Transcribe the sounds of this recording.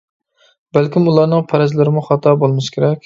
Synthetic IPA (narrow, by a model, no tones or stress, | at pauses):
bælkʲimulˠɑɾnɨŋpʰæɾɛzlɪɾɪmuχɑt̪ʰɑbolˠmɪʃkʲʰeɾɛkʲ